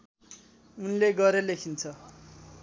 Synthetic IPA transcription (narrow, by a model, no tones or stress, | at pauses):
unleɡʌɾʌlekʰint͡sʰʌ